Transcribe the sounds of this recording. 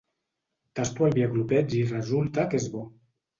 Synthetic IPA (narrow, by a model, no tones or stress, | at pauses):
t̪ast̪ualbiaɡluped͡ʒirezult̪akezbo